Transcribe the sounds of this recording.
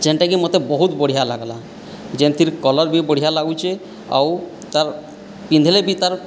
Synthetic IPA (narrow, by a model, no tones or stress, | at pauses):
d͡ʒɛnʈakimɔt̪ebɔɦut̪boɽiɦalaɡala̰ | d͡ʒent̪ʰiɾkɔlɔɾbiboɽiɦalaɡujt͡ʃʰe | a̰w | t̪aɾ | pind̪ʱelebit̪aɾ